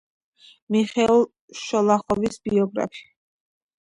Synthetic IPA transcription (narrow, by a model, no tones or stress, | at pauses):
miχɛulˠ | ʃɔlˠaχɔvisbiɔɡɾa̰pʰi̥